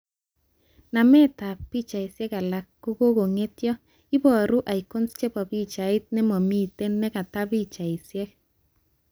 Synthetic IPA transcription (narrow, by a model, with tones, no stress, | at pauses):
na˨mɛ˦ta˨pi˦t͡ʃa˨ɪ˨sjɛ˦ka˨la˨kːo˦ko˦ɡo˨ŋe˦tjɔ˦ | i˦bɔ˨ɾu˦ʔa˨i˨ko˦nst͡ʃe˦pa˨bi˦t͡ʃa˨ɪ˦t̪̚nɛ˦mɔ˨mi˦te˦nːɛ˦ka˨ta˦bi˦t͡ʃa˨ɪ˨sjɛ˦k̚